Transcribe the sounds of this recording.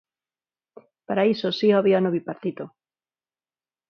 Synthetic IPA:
paɾaisosiaβianoβipaɾt̪it̪o

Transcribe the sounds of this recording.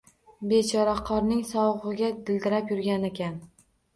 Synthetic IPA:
be̞t͡ʃʰɒɾaqʰɒɾnɪŋsɒwʁɨɡʲad̪ɪld̪ɪɾapjʊɾɡʲanekʲʰan

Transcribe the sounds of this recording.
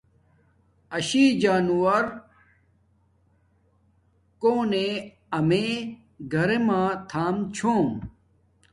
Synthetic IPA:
ɐɕiːd͡ʑaːnuwɐɾ | koːne | ɐme | ɡʱɐɾemãːt̪ʰaːmt͡ɕʰoːm

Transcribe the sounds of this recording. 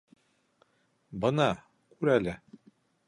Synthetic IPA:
bɤ̆nɑ | kʉɾælɘ

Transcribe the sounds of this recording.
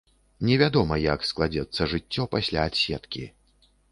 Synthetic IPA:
nʲɛvʲad̪ɔmɐjaksklˠad͡zʲɛt̪sːɐʐɨt͡sʲːɔpasʲlʲaːt̪sʲɛt̪kʲḭ

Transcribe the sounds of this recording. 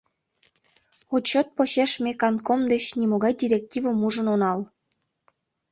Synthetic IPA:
ot̪t͡ɕot̪̚poɕeʃmekɑnkomd̪et͡ɕnimoɣɑjdʲiɾʲek̚tʲivəmuʒənonɑl

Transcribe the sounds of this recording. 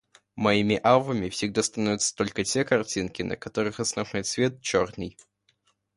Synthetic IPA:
mɐimʲɪʔavəmʲɪfsʲɪɡ̚d̪ast̪ɐnovʲɪt̪sə̥t̪o̞lʲkətʲe̞kɐrtʲinkʲɪnʔə̰kɐt̪o̞ɾɨxɐsnɐvno̞jt̪svʲe̞t̪̚t͡ɕo̞rnɨj

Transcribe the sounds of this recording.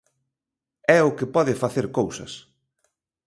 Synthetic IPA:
ɛʊkɪpɔðɪfaθeɾkowsɐ̰s

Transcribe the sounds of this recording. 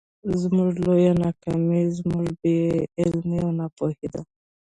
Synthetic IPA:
zmuʐlojanakamizmuʐbeɪlmiawnapohid̪a

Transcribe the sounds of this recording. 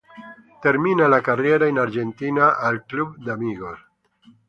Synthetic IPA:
te̞ɾminalakarie̞ɾaenaɾd͡ʒe̞ntinaʔalklub̚damiɡos

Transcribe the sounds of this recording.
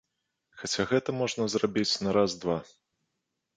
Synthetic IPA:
xat͡sʲaɣɛt̪ɐmɔʐnɐzrabʲit͡sʲnɐɾazd̪va

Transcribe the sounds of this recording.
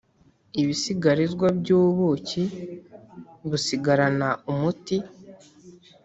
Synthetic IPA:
iβisiɡaɾizɡwabɟuːβuci | βusiɡaɾanaumuti

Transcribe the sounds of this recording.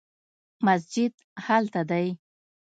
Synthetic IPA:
mas̬d͡ʒɪd̪ | halt̪ad̪aj

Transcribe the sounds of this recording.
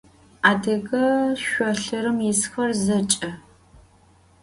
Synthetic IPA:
aːdɐɣɐʃʷɔɬɨɾɨmjɪsxɐrzɐt͡ʃʼɐ

